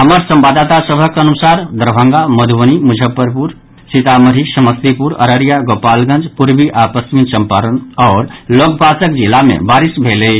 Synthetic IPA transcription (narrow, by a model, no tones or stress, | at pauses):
ɦəməɾsəmbad̪at̪asəbʱəkənusaɾd̪əɾbʱə̃ŋɡaməd̪ʱʋənimud͡ʒʱəpːəɾpuɾ | sit̪aməɾisəməst̪ipuɾə̰ɾəɾijaɡopalɡə̃nd͡ʒpuɾbiʔapəst͡ʃminsəmpaɾənɔːɾlok̚bʱasəkd͡ʒilːamḛbaɾisbʱelə